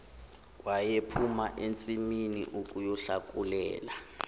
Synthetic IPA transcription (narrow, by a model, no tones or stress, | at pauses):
wajepʰumaʔent͡sʼiminḭʔukʼujɔɬak̬ʼulɛ̰ːla